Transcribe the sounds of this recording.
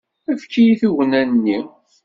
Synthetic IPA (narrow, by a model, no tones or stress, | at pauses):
æfkːijiθiwənænːi